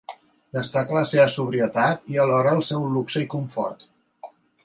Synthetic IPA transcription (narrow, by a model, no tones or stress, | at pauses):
d̪əst̪akələseβəsuβɾiət̪at̪iəlɔɾəːlˠsɛwluksəikuɱfɔ̰ɾt̪